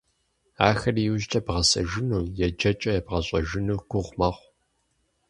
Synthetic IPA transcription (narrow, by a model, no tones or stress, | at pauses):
aːxɐrijuʒtʼɐbʁɐsɐ̰ʒɪnuːjɛd͡ʒɐt͡ʃʼɐjɛbʁɐɕʼɐʒɪnuwɡʷʊʁʷmɐʁʷ